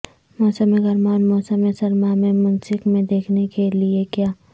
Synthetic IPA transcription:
mɔːsəmẽɡɐɾmaːnmɔːsəmesɐɾmamẽmɐnsɪkmẽd̪eːkʰnekeliekjaː

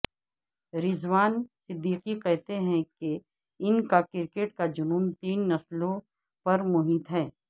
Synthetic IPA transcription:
ɾɪzʋaːnsɪd̪ːiːqiqɛɦt̪eɦɛ̃ke | ɪnkakɪɾkeːʈkad͡ʒʊnumt̪iːnːɐslõ | pɐɾmʊɦiːt̪ɦɛː

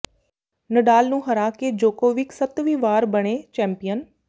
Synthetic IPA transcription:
nəɖaːlnũːɦəɾaːked͡ʒoːkoːʋɪksət̪ʋiːʋaːɾbəɽ̃eːt͡ʃɛ̃ːmpijən

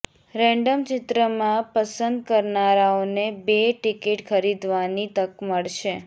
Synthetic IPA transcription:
ɾɛ̃ɳɖəmt͡ʃɪt̪ɾəmãpəsənd̪̚kəɾnaɾaonebeʈɪkɪʈkʰəɾid̪ʋanit̪əkməɭʃe

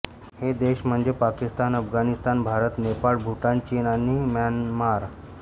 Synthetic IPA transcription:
hed̪eɕm̤əɳd͡zepakist̪anəfɡanist̪anbʱaɾət̪nepaɭbʱuʈant͡ɕinanimanmaɾ

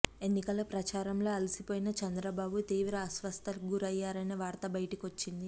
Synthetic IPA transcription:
e̞nːikɐlɐpɾɐt͡ʃaːɾɐmlo̞ːɐlisipoːjinɐt͡ʃɐnd̪ɾɐbaːbut̪iːʋɾɐːsʋɐst̪ʰɐlɡuɾɐjːaːɾɐneʋaːɾt̪ɐbɐjʈikio̞t͡ʃːind̪i

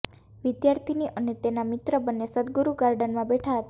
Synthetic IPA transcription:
ʋid̪jaɾt̪ʰiniʔənet̪enamit̪ɾəbənːesəd̪̚ɡuɾuɡaɾɖənmãbeʈʰaɦət̪

